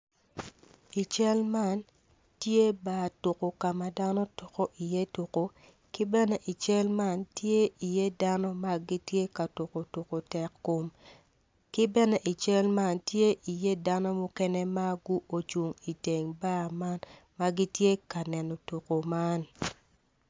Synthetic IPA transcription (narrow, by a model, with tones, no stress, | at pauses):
i˨t͡ʃɛ˦lma˦n | tje˦baː˨to˨ko˨ka˨ma˨da˦no˦to˨ko˦ʔi˨je˦tu˨ko˦ | kɪ˦bɛ˦nɛ˦ʔi˨t͡ʃɛ˦lma˦ntje˦i˨je˦da˦nɔ˦ma˦ɡi˦tje˦ka˨to˨ko˨tu˨ko˨tɛ˨kːo˨m | kɪ˦bɛ˦nɛ˦ʔi˨t͡ʃɛ˦lma˦ntje˦ʔi˨je˦da˦nɔ˦mo˦kɛ˦ne˦ma˦ɡu˦o˨t͡ʃu˨ŋi˨te˨ŋba˦ma˦n | ma˦ɡi˦tje˦ka˨nɛ˨no˨tu˨ko˨ma˦n